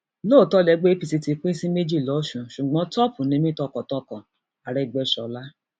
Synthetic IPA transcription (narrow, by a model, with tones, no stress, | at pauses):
loː˦˨tɔ˦lɛ˧ɡ͡be˦i˦pi˨ti˧ti˧k͡pĩ˦sĩ˦me˦d͡ʒi˦˨lɔ˨˦ʃũ˧ʃu˨ɡ͡bɔ̃˨˦tɔ˦pũ˨nĩ˧mĩ˦tɔ˧kɔ̃˨tɔ˧˦kɔ̃˨ | a˨ɾɛ˧˨ɡ͡bɛ˧˨ʃɔ˧la˦